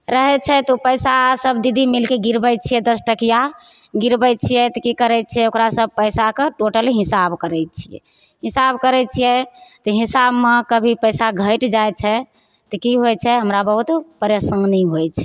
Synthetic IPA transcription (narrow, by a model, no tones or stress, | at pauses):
ɾəɦɛt͡ʃʰɛt̪ɔpəjsasəbd̪id̪ʱimilkeɡiɾbəjt͡ʃʰijɛd̪əsʈəkija | ɡiɾbɛj̚t͡ʃʰijɛt̪ɔkikəɾɛt͡ʃʰɛokɾasəb̚pəjsakeʈoʈəliɦisabkəɾɛt͡ʃʰijɛ̰ | ɦisabkəɾɛt͡ʃʰijɛt̪ɔɦisabmekəbʱipəjsaɡʱəjʈd͡ʒajt͡ʃʰɛ | t̪ɔkiɦojt͡ʃʰɛɦəmɾabəɦut̪pəɾjəsə̃ŋɡniɦojt͡ʃʰɛ